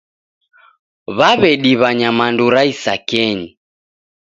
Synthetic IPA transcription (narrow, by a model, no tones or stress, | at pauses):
βaβɛɗiβaɲamanduɾaisakɛɲi